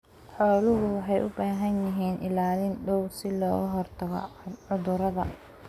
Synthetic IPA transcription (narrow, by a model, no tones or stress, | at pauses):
ħɔːlʊɦʊwɑħɑjʔʊbaːɦɐnjɪɦiːnʔɪ̰laːlɪnɖɔwsɪlɔːɣʊɦɔrt̪ʰɐɣɔ̰ʕʊðʊɾɐðɐ